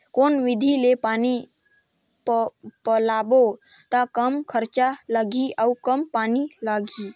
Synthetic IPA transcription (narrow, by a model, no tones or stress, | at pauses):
koːnʋɪd̪ʱilepaːni | pəlaːbot̪akəmkʰəɾt͡ʃaləɡʱiəukəmpaːnilaːɡi